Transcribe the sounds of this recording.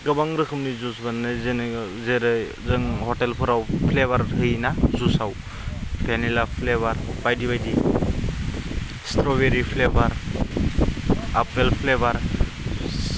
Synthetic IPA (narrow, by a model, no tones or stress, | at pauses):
ɡɯbaŋɾɯkʰɯmnizusbanːɯzen | zeɾɯ | zɯŋhɔʈelpʰɯɾawpʰleβaɾɦɯjnazusaw | pʰenilapʰleβaɾbajdibajdi | stɾɔbeɾipʰlebaɾ | apelpʰlebaɾ